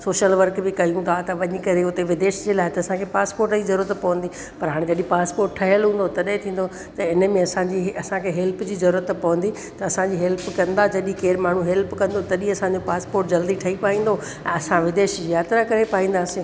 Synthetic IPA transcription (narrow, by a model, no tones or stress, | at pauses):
soːʃəlʋɐɾkbɪkɐjũt̪ʰat̪ɐʋɐɲə̆kɐɾeʊt̪eʋɪd̪eːʃd͡ʑeːlaːɦɪt̪ɐːsãkʰepaːspoːɾʈd͡ʑiːzɐɾuːɾət̪pɐʋə̃nd̪i | pɐɾɦaːɽ̃ẽd͡ʑɐɗĩpaːspoːɾʈʈʰɐɦijəlɦũːn̆d̪ot̪ɐɗet̪ʰĩːn̆d̪o | t̪ɐɪnmẽɐsãɲd͡ʑiːɐsãkʰeɦɛlpd͡ʑiːzɐɾuːɾət̪pɐʋə̃nd̪i | t̪ɐɐsãɲd͡ʑiːɦɛlpkɐ̃nd̪ad͡ʑɐɗĩkeːɾmaːɳ̤uɦɛlpkɐ̃nd̪ot̪ɐɗĩɐsãɲd͡ʑopaːspoːɾʈd͡ʑɐld̪iʈʰɐipaːĩːn̆d̪o | ɛ̃ːɐsãʋɪd̪eːʃzjaːt̪ɾakɐɾepaːĩːn̆d̪aːsi